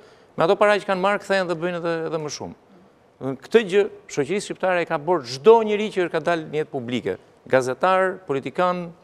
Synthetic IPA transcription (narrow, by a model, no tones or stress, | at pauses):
mɛat̪ɔpaɾat͡ʃə̥kanmaɾkθɛnðɛbəjnɛðɛːðɛməʃṵm | kt̪əd͡ʑəʃɔcəɾisʃcip̚t̪aɾɛkabəɾʒd̪ɔɲəɾit͡ɕəkad̪alnəɛt̪̚publikɛ̰ | ɡazɛt̪aɾpɔlit̪ikan